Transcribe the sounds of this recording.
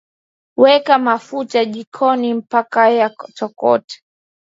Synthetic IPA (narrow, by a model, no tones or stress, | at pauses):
wɛkamafutaʄikʰɔnim̩pakajat͡ʃɔkɔ̰tɛ̥